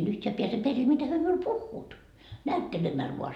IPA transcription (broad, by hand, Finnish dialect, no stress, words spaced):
en yhteæ piæse peril mitæ hyø miul puhːuːt næytːelemæl ʋuɑ